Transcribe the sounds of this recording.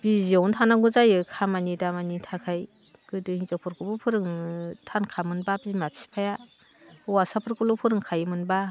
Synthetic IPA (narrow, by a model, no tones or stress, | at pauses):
b̥iziɔwntʰanaɡuzajɯkʰamanidamanitʰakʰaj | kɯdɯhizɔpʰɔɾkɯbupʰɯɾɯŋtʰankʰamɯnbabizimapʰi̥spʰaja | wasapʰɯɾkulopʰɯɾɯŋkʰajɯmɯnba